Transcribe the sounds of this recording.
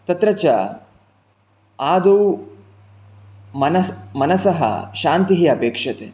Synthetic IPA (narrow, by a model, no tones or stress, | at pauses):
t̪ɐt̪ɾɐt͡ʃɐ | aːd̪u | mɐnmɐnɐsɐɦɐ̰ʃaːnt̪iɦiɐpeːkʂɐt̪ḛ